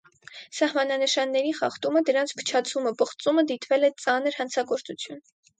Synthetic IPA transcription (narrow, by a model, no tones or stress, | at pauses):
sɑhmɑnɑnəʃɑnːɛɾiχɑ̰χt̪uməd̪əɾɑnt͡sʰpʰə̥t͡ʃʰɑt͡sʰuməpəχt͡suməd̪it̪vɛlɛt͡sɑnəɾhɑnt͡sʰɑɡɔɾt͡sut͡sʰjun